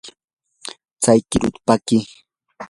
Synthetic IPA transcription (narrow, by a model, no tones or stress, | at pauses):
t͡sajkɪɾʊt̪pakɪ